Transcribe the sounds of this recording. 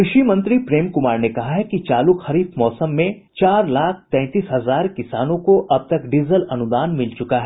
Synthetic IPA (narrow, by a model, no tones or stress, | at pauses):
kɾɪʃimɐ̃nt̪ɾipɾeːmkʊmaːɾnekɐɦaɦɛkit͡ʃaːlukxɐɾiːfmɔːsəmːẽ | t͡ʃaːɾlaːk̚ʰt̪ɛ̃ːt̪iːsɦɐzaːɾkɪsaːnõkoʔɐb̚t̪ɐkɖizəlɐnʊd̪aːnmɪlt͡ʃʊkaɦɛː